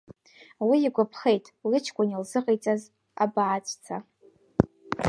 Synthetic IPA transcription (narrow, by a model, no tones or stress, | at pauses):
wiːɡʷapʰχejtʼlɨt͡ʃʰkʷʼanilzɨqʼejt͡sʼaz | a̰baʕat͡sʷʼt͡sʰa